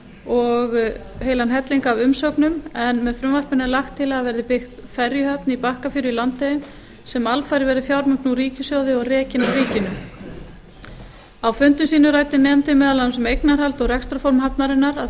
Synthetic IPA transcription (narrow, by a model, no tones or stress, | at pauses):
ɔɣheːjlanɦɛt̪liŋkavʏmsɔwknʏmɛnmɛðfɾʏmvar̥pʏnːɪlaxt̪ʰːɪlaðvɛɾðɪpɪxt̪fɛɾjʏhœpnipahkafjʏːɾʏilant̪eʏm | sɛmalfajɾɪvɛɾðɪfjawɾmʏŋk̪nuɾiːcɪsjoːwðɪɔɣrɛːcɪnariːcɪnʏ | awfʏnt̪ʏmsiːnʏraːjt̪ɪnɛːmt̪ɪmɛːðalamsɛmejknaɾ̥halt̪ɔɣrɛkst̪ɾafɔɾmɦapnaɾɪnːaɾað